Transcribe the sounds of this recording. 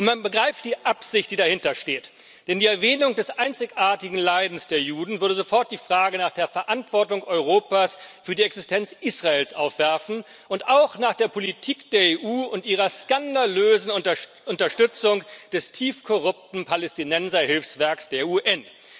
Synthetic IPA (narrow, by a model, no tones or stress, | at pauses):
nmanbəɡʁaɪftd̥iːʔapz̥ɪçt̚d̥iːdahɪntɐʃteːt | d̥ɛndiːɛɐvɛːnʊŋdɛsʔaɪnt͡sɪçʔaːɐtɪɡŋ̩laɪdn̩sd̥eːɐjuːdn̩vʏɐdəzofɔɐt̚d̥iːfʁ̥aːɡənaːχd̥eːɐfɛɐʔantv̥ɔɐtʊŋʔɔʏʁ̞oːpaːsfyːɐdiɛksɪstʰɛnt͡sʔiːsʁ̥aeːlsʔaʊfv̥ɛɐfn̩ | ʔʊntaʊxnaːχd̥eːɐpʰolitʰiːkd̥eːɐeːʔuːʊntʔiːʁɐskandaløːzn̩ | ʔʊntɐʃtʏt͡sʊŋd̥ɛstʰiːfkʰɔʁʊp̚tn̩pʰalɛstinɛnzɐhɪlfsv̥ɛɐksd̥eːɐuːʔɛn